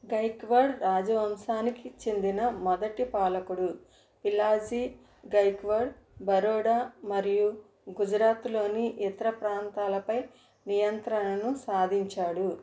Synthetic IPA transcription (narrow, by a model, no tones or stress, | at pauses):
ɡɐjkʋɐɾɖɾaːd͡ʒɐʋɐmsaːnikit͡ʃend̪inɐmɐd̪ɐʈipaːlɐkuɽu | pilaːd͡ʒi | ɡɐjkʋɐɖ | bɐɾɔːɽaːmɐɾiju | ɡud͡ʒɾaːt̪lo̞ːniʔɛt̪ɐɾɐpɾaːnt̪aːlɐpɐj | nijɐnt̪ɾɐɳɐnusaːd̪ʱiɲt͡ʃaːɽu